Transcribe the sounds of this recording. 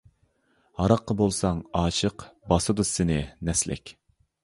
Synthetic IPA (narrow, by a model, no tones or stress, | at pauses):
hɑɾɑqːɑbolˠsɑŋɑːʃəqbɑsɨd̪usːɪnɪnɛslɪ̰kʲ